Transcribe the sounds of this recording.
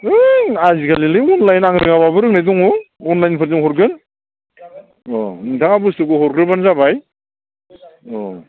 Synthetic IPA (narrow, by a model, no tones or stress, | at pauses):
ɯazikʰalilɯɔnlajnaŋɾɯŋababɯɾɯknajdɔŋɔɔnlajnpʰɯɾzɯŋhɔɾɡɯn | ɔnɯŋtʰaŋabustɯkɯɦɔɾkɾɯbanzabaj | ɔ